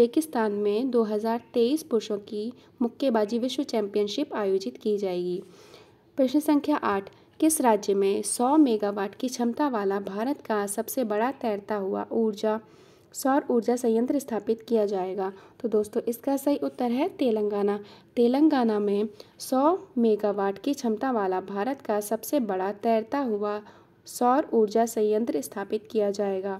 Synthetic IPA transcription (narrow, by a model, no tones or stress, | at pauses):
peːkɪst̪aːnmẽd̪oːɦɐzaːɾt̪eːiːspʊɾʃõki | mʊkʰjebaːd͡ʒiʋɪʃwət͡ʃɛ̃ːmpijənʃɪpaːjoːd͡ʒɪt̪kid͡ʒaːeːɡiː | pɾɐʃnəsə̃ŋkʰjaʔaːʈʰ | kɪsɾaːd͡ʒjəmẽsɔːmeːɡaʋaːʈkit͡ʃʰɐmt̪aʋaːlabʱaːɾət̪kasɐbsebɐɽat̪ɛːɾt̪aɦʊa̰ʔuːɾd͡ʒa | sɔːɾuːɾd͡ʒasɐ̃jə̃nt̪ɾɪst̪ʰaːpɪt̪kijad͡ʒaːeːɡaːt̪od̪oːst̪õʔɪskasɐɦiʔʊt̪ːəɾɦɛt̪eːlə̃ŋɡaːnat̪eːlə̃ŋɡaːnamẽsɔːmeːɡaːʋaːʈʰkit͡ʃʰɐmt̪aʋaːlabʱaːɾət̪kasɐbsebɐɽat̪ɛːɾt̪aɦʊa | sɔːɾuːɾd͡ʒasɐ̃jə̃nt̪ɾɪst̪ʰaːpɪt̪kijad͡ʒaːeːɡaː